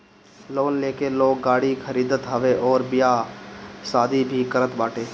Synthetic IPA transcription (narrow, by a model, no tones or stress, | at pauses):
loːnleːkeloːɡːaːɽikʰəɾiːd̪ət̪ɦəʋeʔɔːɾbɪja | saːd̪ʱibʱikəɾət̪baːʈeː